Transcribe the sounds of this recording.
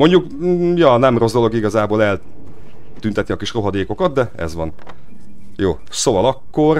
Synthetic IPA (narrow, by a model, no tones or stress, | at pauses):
mo̞ɲɟuk | jɒnɛmro̞zd̪o̞lo̞ɡiɡɒzaːboːlɛl | t̪ynt̪ɛt̪niɒkiʃro̞ɦɒd̪eːko̞kɒt̪̚d̪ɛɛ̰zʋɒn | joː | sovɒlɒkːo̞r